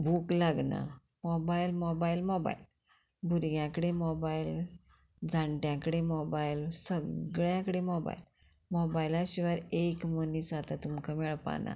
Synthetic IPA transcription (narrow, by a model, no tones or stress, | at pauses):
bʱuklaɡna̰ | mɔbailmɔbailmɔba̰il | bʱuɾɡjãkəɽemɔbail | d͡zãɳʈjãkəɽemɔbailsəɡɭjãkəɽemɔba̰il | mɔbajlaɕiʋaɾekmənisat̪at̪umkʰamɛɭpa̰na̰